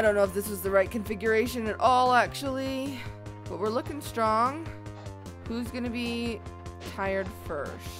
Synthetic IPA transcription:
ɾõʊ̃nːoʊəfðɪswʌzðɨɹaɪt̚kʰɨ̃ɱfɪɡjə˞eɪʃɨ̃nɨɾʔɔlˠæk̚t͡ʃul̩ˠi | b̥ʌt̚wɨɹlʊkɪ̃ŋstɹ̥ɔ̃ŋ | huzɡʌnɨbi | tʰaɪə˞d̥fɜ̰˞st̚

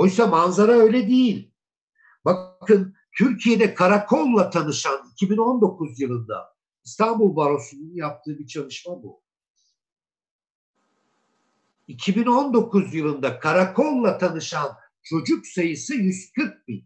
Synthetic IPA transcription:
o̞jsamanzaɾaø̞jlʲɛd̪ejilʲ | bakkʰɯn | t̪ʰyɾcʰijed̪ɛkʰaɾakʰo̞lˠlːˠat̪ʰanɯʃanicʰibino̞nd̪o̞kʰuzjɯlˠɯnd̪a̰ | ist̪ʰanbulˠbaɾo̞sununjap̚t̪ʰɯːɯbit͡ʃʰalˠɯʃmabṵ | icʰibino̞nd̪o̞kʰuzjɯlˠɯnd̪akʰaɾakʰonˠlːˠat̪ʰanɯʃan | t͡ʃʰo̞d͡ʒuksajɯsɯjyzkʰɯɾk̚binʲ

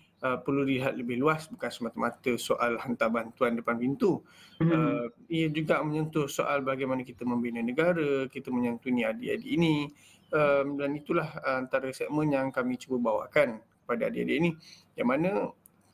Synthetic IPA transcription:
əpərludiliɦat̪̚ləbɪhluasbukansəmat̪əmat̪əsoʔalhant̪abant̪uandəpanpint̪uəmijəd͡ʒuɡaʔmə̃ɲənt̪ʊrsoʔalbaɡajmanəkit̪əmə̃mbinənəɡaɾəkit̪əməɲant̪uniadia̰diːni | əmdanit̪ulahəant̪aɾəsɛk̚mə̃njaŋkamĩt͡ʃubəbawa̰ʔkankə̥padaadia̰diːni | jaŋmanə̃

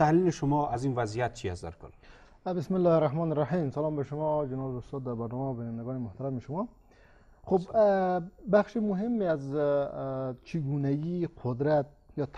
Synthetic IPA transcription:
t̪ʰahliliʃʊmɔazinvazijat̪̚t͡ʃʰiast̪d̪a̰ɾkʰʊ̰l | bɪsmɪlːɔːhɾahmɔːnɪɾːˤaħimsalɔːmbeʃʊmɔd͡ʒenɔːbʊst̪ɔːd̪ːæɾbaɾnɔmæbinand̪æɡɔːnemʊht̪aɾamiʃʊmɔ | xub | baxʃimʊɦemːeaz | t͡ʃʰiɡunæɡiqʰʊd̪ɾat̪̚jɒːt̪ʰ

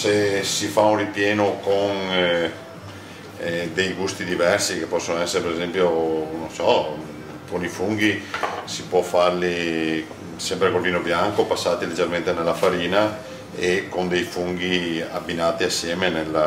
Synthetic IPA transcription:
sesifaunripjɛːnokon | d̪ejɡust̪id̪ivɛrsikepːɔsːonoɛsːeɾepeɾezɛmpjonõnsɔ | konifuŋɡisipwɔfaɾli | sɛmpɾekolviːnobjaŋkopasːaːt̪iled͡ʒːeɾment̪enelːafaɾiːna | ekond̪ejfuŋɡiabːinaːt̪iasːjɛːmenel

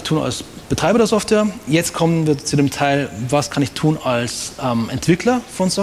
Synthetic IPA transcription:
ɪçtʰuːna̰ls | b̥ətʁ̥aɪbɐdeːɐzɔftveːɐjɛt͡st̚kʰɔmənviːɐt͡sudeːmtʰaɪlvaskʰanɪçtʰuːnalsʔɛmʔɛntv̥ɪkʰlɐfɔnsɔ

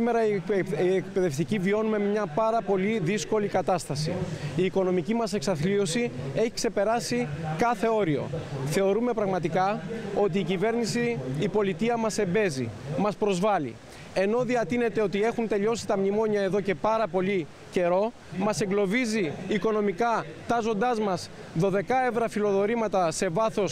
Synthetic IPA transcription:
ime̞ɾɐiiek̚pe̞ðe̞ft̪icivio̞nume̞mɲɐpɐɾɐpo̞liðisko̞likɐt̪ɐst̪ɐsḭiːko̞no̞micimɐse̞ksɐθlio̞sie̞çi̥kse̞pe̞ɾɐsikɐθe̞o̞ɾio̞̰θe̞o̞ɾume̞pɾɐɣmɐt̪ikɐo̞t̪̬iːcive̞ɾnisiːpo̞lit̪iɐmɐse̞mbe̞zḭmɐspɾo̞zvɐlḭ | e̞no̞ðiɐt̪ine̞t̪e̞o̞t̪ie̞xunt̪e̞ʎo̞si̥t̪ɐmnimo̞ɲɐe̞ðo̞ce̞pɐɾɐpo̞ʎi | ce̞ɾo̞ | mɐse̞ŋɡlo̞viziːko̞no̞mikɐt̪ɐzo̞nd̪ɐzmɐs | ðo̞ðe̞kɐevɾɐfilo̞ðoɾimɐt̪ɐse̞vɐθo̞s

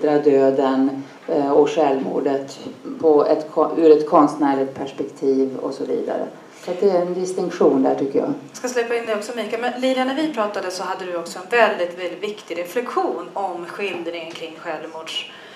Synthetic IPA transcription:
d̪ɾad̪øːd̪ən | ɔɧɛlmṵːɖət̪pʰɔɛt̪kʰɔʉːɾɛt̪kʰɔnst̪næːɭɪk̚t̪̚pʰæʂpɛkt̪ʰiːvɔ̰sɔvḭːd̪a̰ɾə̰ | sɔat̪̚d̪ɛæɾɛnd̪ɪst̪ɪŋkɧuːnd̪æʈʰʏkːəjɑ̰ːskaslʉːpːaɪnd̪ɛjɔksɔmiːkalmɛnliːlanæɾvɪpʰɾɑːt̪ad̪əsɔɦad̪ːəd̪ɵɔksɔɛnvɛld̪ɪt̪vɛlɪt̪vɪkt̪ɪɡɾɛflɛkɧuːnɔmɧɪld̪ɾɪŋənkʰɾɪŋːɧɛlvmuːɖʂ

